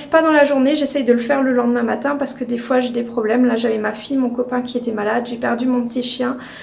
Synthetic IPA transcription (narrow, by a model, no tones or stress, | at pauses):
vpad̪ɑ̃laʒuʁneʒesɛjd̪ələfɛʁləlɑ̃d̪mɛ̃mat̪ɛ̃paʁsə̥kəd̪efwaʒed̪epχɔblɛmlaʒavɛmafijmɔ̃kɔpɛ̃kʲiet̪ɛmalad̪ʒepɛʁd̪ymɔ̃pət̪iʃjɛ̃